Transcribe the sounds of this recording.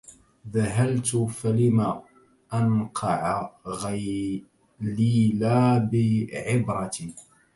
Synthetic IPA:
ðaɦalt̪ʊfalɪmaː | ʔanqʰɑʕaɣa | liːlaːbɪʕɪbɾˤɑt̪i

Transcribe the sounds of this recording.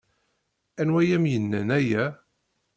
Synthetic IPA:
ænwæjæmjənːænæjæ

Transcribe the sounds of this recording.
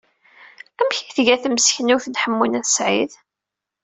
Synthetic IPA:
æmçiθʝæθməsçnuθnħəmːunæθəsʕið

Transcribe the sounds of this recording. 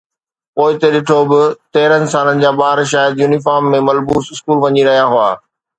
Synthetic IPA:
poːɪt̪eɗɪʈʰobɪt̪eːɾənɪ̆saːnənɪ̆d͡ʑaːɓaːɾʃ̬aːjəd̪juːnɪfaːɾmːẽmɐlbuːsɪskuːlʋɐɲiɾɐɦijaɦʊa̰ː

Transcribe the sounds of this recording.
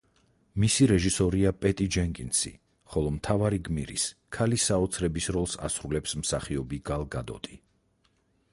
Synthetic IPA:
misiɾɛʒisɔɾiapʼɛt̪ʼid͡ʒɛŋkʼinsḭ | χɔlˠɔmt̪ʰavaɾiɡmiɾḭskʰalisaɔt̪sʰɾɛbisɾɔlˠsa̰sɾulɛpsmsaχiɔbiɡalˠɡad̪ɔ̰t̪ʼi

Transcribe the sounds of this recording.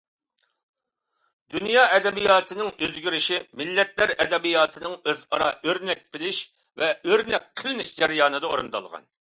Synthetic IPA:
d̪ynjɑːɛd̪ɛbijɑːt̪ʰɨnɪŋøzɡʲyɾɪʃimɪlːɛt̪læɾɛd̪ɛbijɑːt̪ʰɨnɨŋøzɑɾɑ̰øɾnɛk̚ʲqʰəlˠɪʃ | vɛøɾnɛk̚ʲqʰəlɪnɪʃd͡ʒɛɾjɑːnɨd̪ɑo̰ɾɨ̰nd̪ɑ̰lˠʁɑ̰n

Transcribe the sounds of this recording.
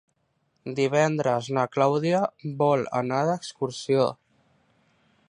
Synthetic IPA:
d̪iβ̞ɛnd̪ɾəznəklawðiəbɔlə̰naðəkskuɾsio

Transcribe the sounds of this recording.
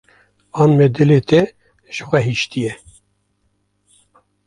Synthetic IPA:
ɑːnmɛd̪ɨleːt̪ʰɛ | ʒ̥əxʷɛɦiʃt̪ijɛ

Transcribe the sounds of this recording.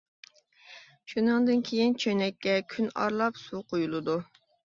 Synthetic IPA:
ʃunɨŋd̪ɨnkʲʰejint͡ʃʰønɛkʲːɛkʲʰynɑ̰ɾlˠɑpsuqʰojulˠɨd̪u

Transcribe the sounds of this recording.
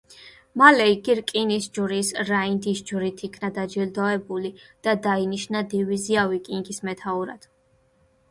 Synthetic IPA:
malɛiɡiɾkʼinisd͡ʒuɾisɾaind̪isd͡ʒɾit̪ʰikʰnad̪ad͡ʒild̪ɔɛbulid̪̥ad̪ainiʃnad̪iviziavikʼiŋɡismɛt̪ʰauɾa̰d̪̥

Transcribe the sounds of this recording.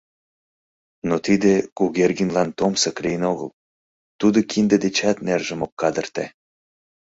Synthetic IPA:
not̪id̪ekuɣerɣinlɑnt̪omsəklijənoɣə̰l | t̪ud̪okʰind̪ed̪et͡ɕɑt̪nerʒəmokːɑd̪ərt̪æ̰

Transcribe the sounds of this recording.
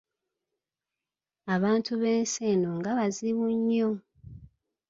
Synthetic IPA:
aβaːntuβe̞ːnseːnoŋɡaβaziβuɲːo

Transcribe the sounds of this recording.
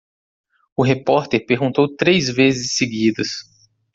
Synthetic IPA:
ʊɦepɔɾt̪eɾpeɾɡũnt̪owt̪ɾezvezɪsːeɡid̪ɐs

